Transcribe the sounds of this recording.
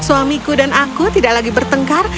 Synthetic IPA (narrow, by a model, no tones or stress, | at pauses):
suamikudanʔakut̪idaʔlaɡibərt̪əŋkar